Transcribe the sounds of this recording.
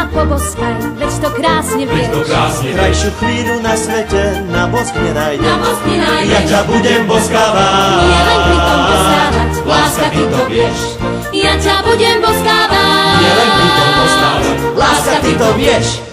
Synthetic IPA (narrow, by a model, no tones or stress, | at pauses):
apɔbɔskaʋɛct̪ɔkɾaːsɲɛvɛt̪kaːsɛkɾajʃukɾiːnunasʋɛcɛ | nabɔskɲɛnajɟɛɔsɲɛnajacabuɟɛmbɔskaːvajalɛiɔbɔsaːa | laːskat̪it̪ɔɛʃ | jacabuɟɛmbɔskaːʋaɲalɛniɔbɔskaːalaːskat̪it̪ɔvɪjɛʃ